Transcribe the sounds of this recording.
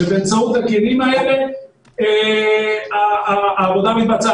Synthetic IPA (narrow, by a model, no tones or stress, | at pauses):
bent͡saut̪ekienimaeɾe | e | aaaβoðaβit̪̚bat͡sa